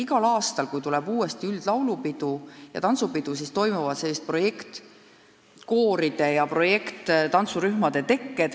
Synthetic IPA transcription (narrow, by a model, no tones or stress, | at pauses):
iɡɑlɑːst̪ɑlkujt̪ulɛb̥uːest̪iyld̪̥lɑwlupid̪̥ujɑ̰t̪ɑnt̪supid̪̥us̬iːst̪o̞jmuvɑd̪̥se̞lːist̪̚pro̞je̞kt̪ | ko̞ːɾid̪̥e̞jɑpro̞je̞kt̪t̪ɑnt̪suɾyhmɑd̪̥e̞t̪e̞kːe̞d̪̥